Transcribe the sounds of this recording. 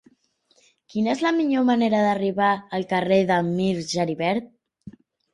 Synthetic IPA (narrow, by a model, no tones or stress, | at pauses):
kinəezləmiʎoməneɾəðəriβaəlˠkəreðəlmiɾʒəɾiβɛɾt̪̚